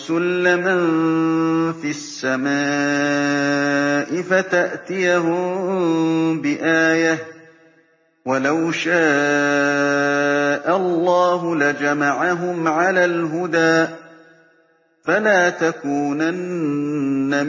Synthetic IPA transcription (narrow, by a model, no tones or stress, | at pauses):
sʊlːɪmn | fiasːamaː | ʔɪfat̪aʔt̪ɪjahʊm | bɪʔaːja | walawʃaː | ʔalːɑːɦʊlad͡ʒamaʕaɦʊmʕalaːlɦʊd̪aːʔ | falaːt̪akuːnanː | am